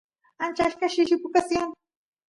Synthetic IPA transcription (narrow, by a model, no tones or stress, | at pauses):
ant͡ʃaʃkaʃɪʃɪkʊkasjaŋ